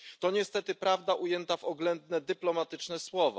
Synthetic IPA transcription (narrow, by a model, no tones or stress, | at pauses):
t̪ɔɲɛst̪ɛt̪ɘpɾavd̪aʔujɛnt̪avɔɡlɛnd̪nɛd̪ɘplɔmat̪ɘt͡ʂnɛswɔvɔ̰